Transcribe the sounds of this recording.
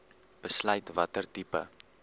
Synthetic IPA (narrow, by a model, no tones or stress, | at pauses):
b̥əslœjtvɐtərtipə̰